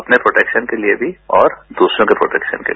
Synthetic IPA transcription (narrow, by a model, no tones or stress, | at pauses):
ɐpnepɾoːʈɛːkʃənkeliebʱiɔːɾd̪uːsɾõkepɾo̰ːʈɛːkʃə̰nkḛli